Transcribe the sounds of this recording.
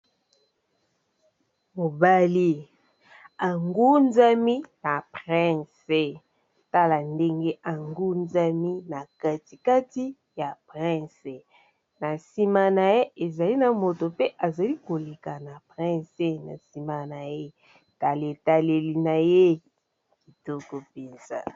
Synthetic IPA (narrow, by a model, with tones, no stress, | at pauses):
mo˨ba˦li˦ | a˨ŋɡu˦nza˦mi˦na˨pʁɛ̃˦˨se˨ | ta˦la˨nde˦ŋɡe˦ʔa˨ŋɡu˦nza˦mi˦na˨ka˦ti˨ka˦ti˦ | ja˨pʁɛ̃˦˨se˨ | na˨si˦ma˦na˨je˦e˨za˨li˦na˨mo˨to˨pe˦ʔa˨za˨li˦ko˨le˨ka˨na˨pʁɛ̃˦se˦na̰˨si˨ma˨na˨je˦ | ta˨le˨ta˨le˨li˨na˨je˦ | ki˨tɔ˦kɔ˨pe˨nz̥a̰˦